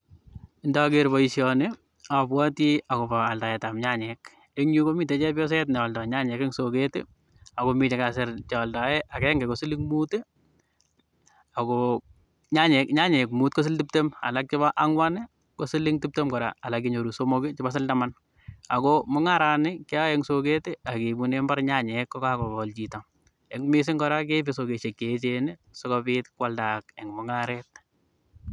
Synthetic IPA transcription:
ɪndakeɾbɔisjɔnɪ | apwatiakopaːltajɛtamɲaɲɛk | eɲukomiːtet͡ʃɛpjɔs̬ɛtnɛwaldaɲaɲɛkɛŋsoketɪ̰ | akomit͡ʃɛkasɪɾt͡ʃaldajɛʔakɛŋɡɛkosɪlɪŋmute | akɔ | ɲaɲɛkɲaɲɛkmuːt̚kos̬ɪltip̚tema̰lak̚t͡ʃɪβaʔaŋwanɪ | kosilɪŋtip̚temkɔɾa̰alak̬iɲoɾusomokɪt͡ʃɪbas̬ɪldaman | akɔmʊŋaɾanɪkɪaɛŋsoketeakebunembaɾɲaɲɛkːɔkakɔbɔlt͡ʃitam | ɛŋmɪs̬ɪŋkɔɾak̬epesokeʃekːet͡ʃenɪsɔkɔpɪtkwaldakɛŋmʊŋaɾɛt̚

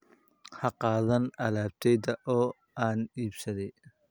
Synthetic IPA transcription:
hɑqɑːðɐnɐlaːb̚t̪ʰɛjd̪ɐʔɔː | aːniːbsɐðɛj

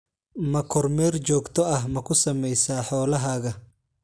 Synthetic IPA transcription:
mɐkʰɔrmɛːrt͡ʃɔːɡt̪ʰɔɐɦmɐkʰʊsɐmɛjsaːħɔːlɐɦaːɣɐ

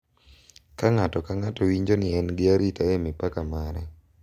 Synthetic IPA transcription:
kaŋatɔkaŋatɔwiɲd͡ʒonɪɛnɡɪaɾitaemɪpakamaɾɛ

